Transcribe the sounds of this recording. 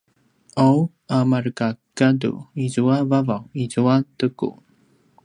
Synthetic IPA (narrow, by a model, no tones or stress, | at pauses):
ʔow | amarkakadṵizuavavawizuatəkṵ